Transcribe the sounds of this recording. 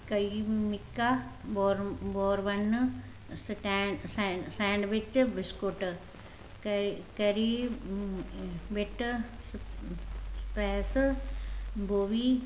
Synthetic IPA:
kɐimɪkːaboɾboːɾʋɐn | sʈːssɛ̃ːɳɖʋɪt͡ʃbɪskoʈ | kkɐɾi | ʋɪʈ | s | pɛːs | boːʋiː

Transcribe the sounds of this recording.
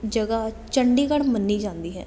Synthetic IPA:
d͡ʒəɡaː | t͡ʃəɳɖiːkəɽmənːiːd͡ʒãːnd̪iːɦɛ̰ː

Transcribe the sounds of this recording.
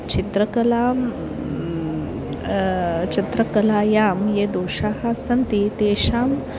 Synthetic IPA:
t͡ʃit̪ɾɐkɐlaː | t͡ʃɐt̪ɾɐkɐlaːjaːmjed̪oːʃaːɦasɐnt̪it̪eːʃaːm

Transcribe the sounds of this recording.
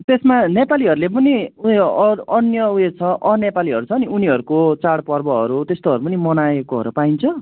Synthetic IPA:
t̪esmanepaliɦʌɾulepʌniuʌnjʌuet͡sʰʌʔʌnepaliɦʌɾut͡sʰʌːniuniɦʌɾukot͡saɽpʌrbʌɦʌ̰ɾut̪est̪oɦʌɾupʌnimʌnaekoɦʌ̰ɾupaint͡sʰʌ

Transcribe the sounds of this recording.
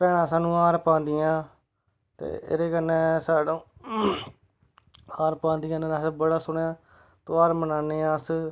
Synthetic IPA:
pɛːɽãːsaːnũːaːɾpãːnd̪ɪjãː | t̪ḛːɪ̰ɾeːkənːeːsaːɽõː | aːɾpãːnd̪ɪjãːnẽːɾaːsbəɽaːsʊɳeãː | t̪oːaːɾmənaːneːãːs

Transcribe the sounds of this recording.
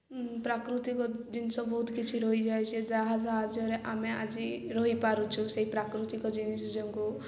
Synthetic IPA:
pɾakɾut̪ikɔd͡ʒinsɔ̃bɔɦut̪kit͡ʃʰiɾɔɦid͡ʒaet͡ʃʰid͡ʒaɦad͡ʒaad͡ʒɔɾeʔamea̰d͡ʒiɾɔɦipaɾũt͡ʃʰũseɦipɾakɾut̪ikɔd͡ʒinisd͡ʒɔŋku

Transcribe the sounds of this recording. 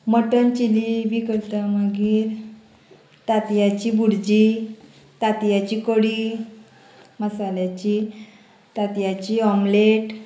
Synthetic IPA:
məʈənt͡ɕilibikəɾt̪aməɡiːɾ | t̪at̪jat͡ɕibuɽd͡ʑi | t̪at̪jat͡ɕiːkəɽiː | məsaljat͡ɕi | t̪at̪jat͡ɕiɔmleʈ

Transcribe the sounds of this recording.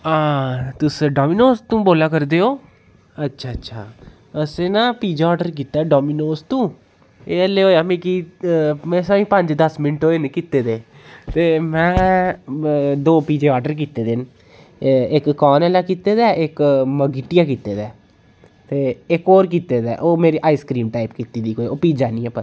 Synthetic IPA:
aːt̪ʊsɖɔːmiːnoːst̪ũːboːlaːkəɾd̪eːɦoː | ətːʃʰaːətːʃʰaː | əsẽːnaːpiːd͡ʒːɔːɾɖəɾk̬iːt̪aːɖɔːminoːst̪ũː | eːəlːeːɦoːjaːmẽːki | mɛ̃ːsaːĩːpə̃ɲd͡ʒd̪əsmɪnʈoːenkiːt̪eːd̪eː | t̪eːmɛ̃ː | d̪oːpiːd͡ʒeːɔːɾɖəɾk̬iːt̪eːd̪en | ɪkːaːnɛːlaːkiːt̪eːd̪ɛːɪkməɡiːʈijaːkiːt̪eːd̪ɛː | t̪eːɪkoːɾk̬iːt̪eːd̪ɛ̰ːʔoːmeːɾiːʔaːiːskɾiːmʈaːipkiːt̪iːd̪iːkoːioːpiːd͡ʒaːnĩːɛːpəɾ

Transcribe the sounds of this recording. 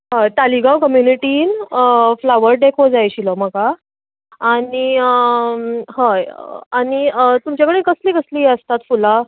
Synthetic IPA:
ɦəjt̪aliɡawkəmjuniʈiːnəflaʋəɾɖekʰod͡zajɕilɔməka | aɽi | həjaɽ̃iət̪umt͡ɕjakəɽekəsliːkəsliːəst̪at̪fula

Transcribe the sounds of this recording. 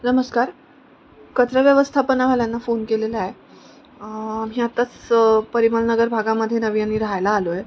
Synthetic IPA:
nəməskaɾ | kət̪ɾəʋjəʋəst̪ʰapənaʋaljanːafonkeleləae | am̤iːat̪at͡spəɾiməlnəɡəɾbʱaɡaməd̪ʱːjenəʋijaniːɾɦajlaːloje

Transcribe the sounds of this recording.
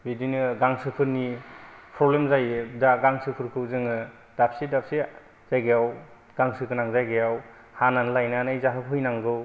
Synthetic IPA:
bidinɯɡaŋsɯpʰɯɾnipʰɾɔblemzajɯdaɡaŋsɯpʰɯɾkʰɯzɯŋɯ | d̥ap̚sidap̚si | z̥ajɡejaw | ɡ̥aŋsɯkɯnaŋzajɡejaw | hananlajnanajzaɦɯkʰɯjnaŋɡɯw

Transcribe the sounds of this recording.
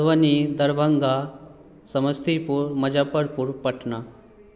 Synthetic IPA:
ʋənid̪ɐɾbʱə̃ŋɡa | sɐməst̪ʰipuɾmɐd͡ʒapəɾpuɾpɐʈʰna

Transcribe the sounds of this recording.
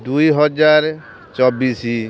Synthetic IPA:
d̪ujɦɔd͡ʒaɾ | t͡ʃɔbisi

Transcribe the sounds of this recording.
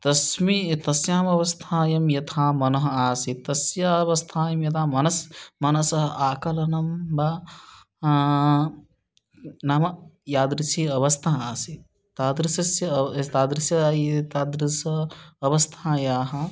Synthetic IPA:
t̪ɐsmit̪ɐsjaːmɐʋɐst̪ʰaːjɐmjɐt̪ʰaːmɐnɐɦɐaːsit̪ɐsjaʋɐst̪ʰaːjɐmjɐt̪ʰaːmɐnɐsmɐnɐsɐɦɐʔaːkɐlɐnɐmba | naːmɐjaːd̪ɾɨt͡ʃʰiɐʋɐst̪ʰɐɦaːsi | t̪aːd̪ɾisɐsjɐt̪aːd̪ɾisjɐt̪aːd̪ɾisɐɐʋɐst̪ʰãːjaːɦɐ

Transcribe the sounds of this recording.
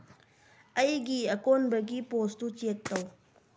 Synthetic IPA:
ɐjɡiɐkonbɐɡipost̪ut͡ʃek̚t̪ɐw

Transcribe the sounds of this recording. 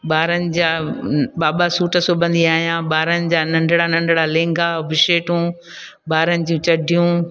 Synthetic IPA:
ɓaːɾənɪ̆d͡ʑaːɓaːɓasuːʈəsʊbʱə̃nd̪iaːɦijãːɓaːɾənɪ̆d͡ʑaːnɐ̃ɳɖʱɽanɐ̃ɳɖɽalẽːŋɡaʋɪʃeːʈũː | ɓaːɾənɪ̆d͡ʑũːt͡ɕɐɖʱijũ

